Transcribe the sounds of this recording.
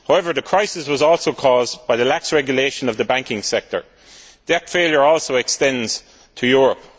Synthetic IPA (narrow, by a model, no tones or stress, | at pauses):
haʊɛvə˞ðəkʰɹ̥aɪsɪswɒzɔːlˠsoʊkʰɔːzb̥aɪðəlaksɹɛɡjəleɪʃə̃nəvðəbãŋkɪ̃ŋsɛk̚tə̰˞ | d̥ɛθfeːljə˞ɔːlˠsoʊɛkstɛ̃ndz̥ | tʰəjʊːɹəp